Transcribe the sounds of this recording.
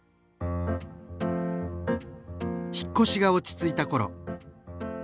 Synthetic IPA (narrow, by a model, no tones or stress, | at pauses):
çi̥kːo̞ɕiɡao̞t͡ɕi̥t͡sɨit̪ako̞ɾo̞̰